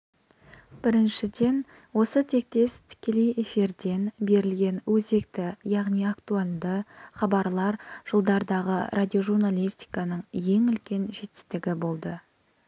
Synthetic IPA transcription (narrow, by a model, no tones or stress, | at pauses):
b̥ɪɾɪnʃɪd̪e̞n | wo̞sət̪ʰe̞k̚t̪e̞st̪ʰɪ̥kʲe̞le̞je̞fiɾd̪e̞nbe̞ɾɪlɡʲe̞nwɵze̞kt̪ɪjɑʁnijakt̪uald̪əχɑbɑɾlˠɑɾʒ̥əlˠd̪ɑɾd̪ɑʁə̰ɾʔad̪ʲio̞ʒurnalʲist̪ijkɑnəɴje̞ŋʏlkʲe̞nʒe̞t̪ɪ̥st̪ɪɡʲɪbo̞lˠd̪ə